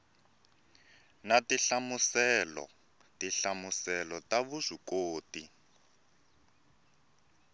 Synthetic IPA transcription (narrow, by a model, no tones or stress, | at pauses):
natiɬamusɛlɔ̰ | tiɬamusɛlɔtaβuzʷikoːti